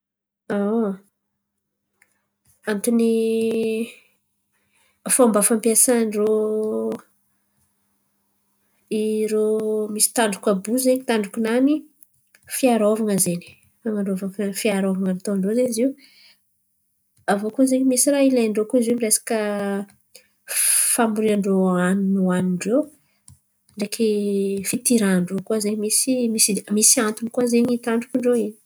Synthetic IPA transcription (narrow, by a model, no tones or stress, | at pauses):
a | amit̪ini | afambafampiasanɖ͡ʐo | iɾomisi̥t̪aɳɖ͡ʐukabuzeɲit̪aɳɖ͡ʐukʲunani | fiaɾovaŋəzeni̥ | faŋaɳɖ͡ʐovakfiaɾovaŋənit̪oɳɖ͡ʐozeɲiziw | avokuazeɲmisiɾaileɳɖ͡ʐokuziumiresḁkə | fambuɾiaɳɖ͡ʐoaninuaniɳɖ͡ʐe | ɳɖ͡ʐekʰifit̪iɾaɳɖ͡ʐokuazeɲmisimisimisiant̪unikuazeɲit̪aɳɖ͡ʐukiɳɖ͡ʐoini̥